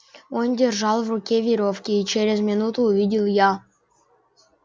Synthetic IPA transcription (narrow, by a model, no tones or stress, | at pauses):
ondʲɪrʐɑlˠvrʊkʲevʲɪɾofkʲɪːt͡ɕeɾʲɪzmʲɪnut̪ʊːvʲidʲɪlˠja